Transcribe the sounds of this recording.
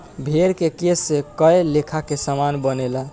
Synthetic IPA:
bʱeɾkekesːekəelekʰakesamanbənela

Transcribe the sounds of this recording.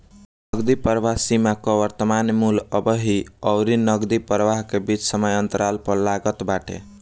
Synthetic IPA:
nəɡd̪ipəɾʋaɦsimakɔʋəɾt̪əmanmuləbəɦiəʊɾinəɡd̪ipəɾʋaɦkebit͡ʃsəməjənt̪əɾalpəɾlaɡət̪baʈḛ

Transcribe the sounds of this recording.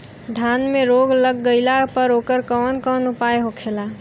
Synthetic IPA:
d̪ʱjanmeɾoːɡləɡːəɪlapəɾoːkəɾkɔːnkɔːnʊpajɦokʰela

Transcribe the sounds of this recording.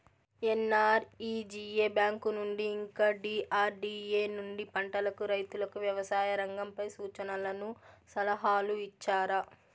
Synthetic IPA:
enːaːɾiːd͡ʒiːeːbjaːŋkunuɳɖiːŋkaːɖiːʔaːɾɖiːeːnuɳɖipɐɳʈɐlɐkuɾɐjt̪ulɐkuʋjɐʋɐsaːjɐɾɐŋɡɐmpɐjsuːt͡ʃɐnɐlɐnusɐlɐɦaːluit͡ʃːaːɾɐ

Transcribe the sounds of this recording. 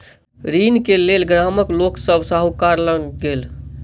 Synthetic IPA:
ɾinkelelɡɾaməkloksəbsaɦukaɾlənɡel

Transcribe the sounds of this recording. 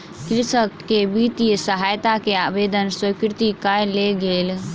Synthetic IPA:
kɾɪsəkkebit̪ijsəɦaːjt̪akeabeːd̪ənswəkɾɪt̪ikajleɡeːl

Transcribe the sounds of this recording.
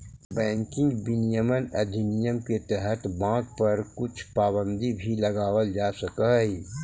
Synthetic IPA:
bɛ̃ːŋkɪ̃ŋɡbinijəmənɐd̪ʱɪnijəmket̪ɛɦət̪bãːɡ̚pɐɾkʊt͡ʃʰpaːbə̃nd̪ibʱilɐɡaːwəld͡ʒaːsɐkəɦɦiː

